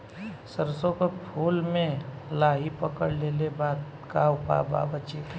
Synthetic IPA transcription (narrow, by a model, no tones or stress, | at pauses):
səɾsõkopʰuːlmẽlaːɦipəkəɽlelebaːt̪ | kawpa̰ːba̰ːbət͡ʃet̪ʰ